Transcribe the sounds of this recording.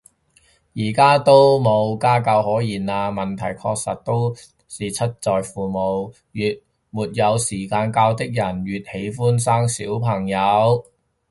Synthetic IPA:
jiː˨˩kaː˥t̪o˥wmo˨˧wkaː˥kɐ˧whɔː˨˥jiː˨˩naː˧mɐ˨nt̪ʰɐ˨˩jkʰɔ̰ː˧k̚sɐ̰˨t̚t̪ːo˥w | siː˨t͡sʰɐ˥t̚t͡sɔː˨jfuː˨mo˨˧w | jyː˨t̚ | muː˨t̚jɐ˨˧wsiː˨˩kaː˧nkaː˧wt̪ɪ˥k̚jɐ˨˩nɥyː˨t̚he˨˥jfuː˥nsaː˥ŋsiː˨˥wpʰɐ˨˩ŋjɐ˨˧w

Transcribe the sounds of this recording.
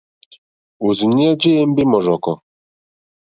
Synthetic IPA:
u˨zi˨ɲ˦ɛ˦d͡ʒe˦e˦m̩˦bɪ˦mɔ˨ʒɔ˨kɔ˨

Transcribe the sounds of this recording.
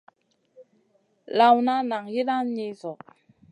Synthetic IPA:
la˨wna˦na˨ŋji˦ɗa˦nɲe˦zɔ˨

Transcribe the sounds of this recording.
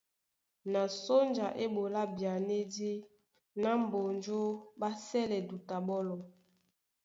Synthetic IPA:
na˨so˦nd͡ʒa˨ʔe˦bo˨la˦bja˨ne˦di˦ | na˦m˨bo˨nd͡ʒo˦ba˦sɛ˦lɛ˨du˨ta˨ɓɔ˦lɔ˨

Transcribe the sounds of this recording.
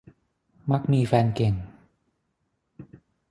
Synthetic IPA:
ma˦˥k̚miː˧fɛː˧nke˨˩ŋ

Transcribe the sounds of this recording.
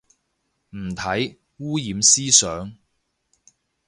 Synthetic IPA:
m̩˨˩t̪ʰɐ˨˥j | wuː˥jiː˨˧msiː˥sœː˨˥ŋ

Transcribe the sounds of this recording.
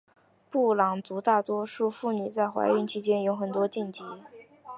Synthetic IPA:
pu˥˩lɑ˨˩ŋt͡su˧˥t̪a˥˩t̪wɔ˥ʂu˥˧fu˥˩ny˨˩t͡sa˥˩ɪxwa̰˧˥ɪy˧˥nt͡ɕʰi˥t͡ɕjɛ˥njo˧˥ʊxə˨˩nt̪wɔ˥t͡ɕi˥˩nt͡ɕi˧˥

